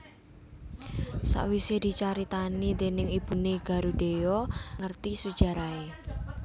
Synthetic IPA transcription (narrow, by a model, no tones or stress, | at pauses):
sa̰ʔwised̪̥i̤t͡ʃaɾit̪anid̪e̤nɪŋib̥ṳneɡ̥a̤ɾud̪̥e̤jɔŋərt̪isud̥ʒ̥a̤ɾae